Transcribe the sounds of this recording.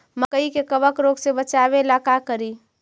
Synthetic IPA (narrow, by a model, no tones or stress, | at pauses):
məkəikekəbəkɾoːɡsebət͡ʃaːbelaːkakəɾiː